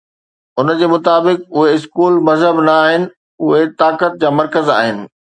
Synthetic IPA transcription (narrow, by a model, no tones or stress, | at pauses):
ʊnəd͡ʑeːmʊt̪aːbɪk̚ʊɦeɪskuːlmɐzɦəbnɐːɦɪnɪ̆ | ʊɦet̪aːkət̪̚d͡ʑaːmɐɾkəzaːɦɪnɪ̆